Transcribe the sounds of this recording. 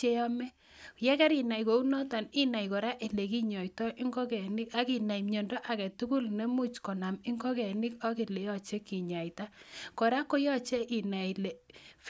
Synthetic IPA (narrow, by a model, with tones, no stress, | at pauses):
e˦jɔ˦mɛ˦ | jɛ˦kɛ˦ɾi˨na˨i˨ko˨u˦nɔ˦ta˨ni˦na˨i˨kɔ˨ɾa˦ʔi˨le˨ki˦ɲɔ˨jtɔ˦ʔi˦ŋɡɔ˦kɛ˨nɪ˦ka˦ki˨na˨i˨mɲo˨ndɔ˦ʔa˨kɛ˨tu˦ku˦lne˦mu˦t͡ʃkɔ˨na˨mi˦ŋɡɔ˦kɛ˨nɪ˦ka˦ki˨le˨jɔ˦t͡ʃe˦ki˨ɲa˨i˨ta˦kɔ˨ɾa˦ko˦jɔ˦t͡ʃɛ˦ʔi˨na˨i˨le˨f